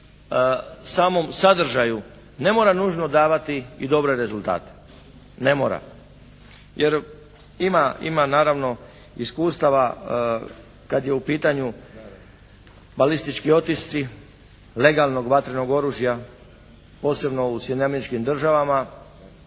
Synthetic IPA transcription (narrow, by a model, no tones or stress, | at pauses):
saːmo̞msad̪r̩ʒaju | ne̞mo̞ːɾanuːʒno̞d̪aːʋat̪iid̪o̞bɾeɾe̞zulˠt̪a̰ːt̪e̥ | ne̞moːɾa̰ | jʔeɾ | imaḭmanaːɾaʋno̞ | iskuːst̪aʋa | kad̪je̞upiːt̪aɲu | balist̪it͡ʃkio̞t̪ist̪si | le̞ɡalˠno̞ɡʋat̪ɾeno̞ɡo̞ɾuːʒja | po̞ːse̞bno̞usjed̪namenit͡ʃkimd̪r̩ʒaʋama